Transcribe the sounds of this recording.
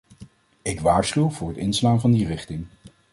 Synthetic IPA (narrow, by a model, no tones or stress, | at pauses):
ɪkʋaːɹsχywv̥ʊːɹɦətɪnslaːnvɑndirɪχtɪŋ